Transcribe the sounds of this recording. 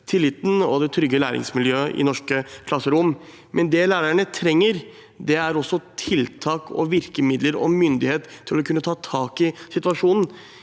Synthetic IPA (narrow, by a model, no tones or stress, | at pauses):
t̪ʰɪlːɪt̪n̩ɔd̪ɛt̪ʰɾʏɡəlæːɾɪ̰ŋsmɪljøːəʔɪ̰nɔʂkəkʰlɑsːəɾʊm | mɛnd̪ɛlæːɾæɳət̪ʰɾɛŋːəɾ | d̪ɛæɾɔsːɔt̪ʰɪlt̪ʰɑːkʰɔ̰ʋɪɾkəmɪd̪ləɾɔ̰mʏnd̪ɪheːt̪ʰːɪlɔkʰʉnːət̪ʰɑːt̪ʰɑːkɪsɪt̪ʋɑʂuːnn̩